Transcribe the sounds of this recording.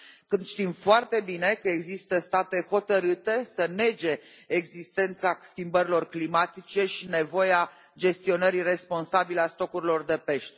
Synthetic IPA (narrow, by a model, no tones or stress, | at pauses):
kɨnd̪ʃt̪imfoart̪e̞bine̞kəeɡzist̪əst̪at̪e̞ho̞t̪əɾɨt̪e̞səne̞d͡ʒe̞ː | ɡzist̪e̞nt̪saskʲimbəɾilo̞rklimat̪it͡ʃe̞ʃine̞vo̞jea | d͡ʒe̞st̪io̞nəɾire̞spo̞nsabileast̪o̞kuɾilo̞rd̪e̞pe̞ʃt̪e